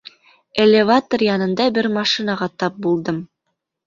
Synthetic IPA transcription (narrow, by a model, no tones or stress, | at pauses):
elʲɪvat̪orjɑnɤ̆nd̪ɑbɘɾmɑʃinɑʁɑt̪ɑp̚bulˠd̪ɤm